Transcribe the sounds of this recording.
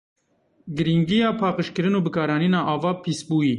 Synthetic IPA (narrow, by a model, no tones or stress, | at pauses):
ɡɨɾiŋɡijɑːpʰɑːqəʃkɨɾɨnuːbɨkɑːɾɑːniːnɑːʔɑːvɑːpʰiːsbuːjiː